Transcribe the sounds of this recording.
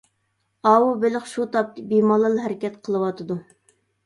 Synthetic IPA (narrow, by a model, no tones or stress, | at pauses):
ɑwubɪlɪχʃut̪ʰɑp̚t̪bimɑlˠɨlˠɦɛɾɪkʲɛt̪qʰəlˠɨwɑt̪ʰɨd̪u